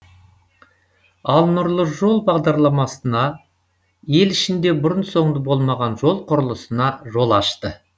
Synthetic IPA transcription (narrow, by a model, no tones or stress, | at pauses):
ɑlˠnʊɾlˠəʒo̞lˠbɑʁd̪ɑɾlˠɑmɑsənɑ | je̞lɪʃɪnd̪e̞bʊɾənso̞ɴd̪əbo̞lˠmɑʁɑnʒo̞lˠqʰʊɾəlˠəsənɑʒo̞lˠɑʃt̪ə